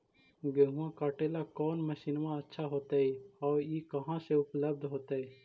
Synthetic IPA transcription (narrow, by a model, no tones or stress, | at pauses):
ɡeɦũãkaːʈeːlakɔːnməʃinmãɐtːʃʰaɦoːt̪aɦɛɔːjekɐɦãseʊpləb̚d̪ʱɦoːt̪aɦɛː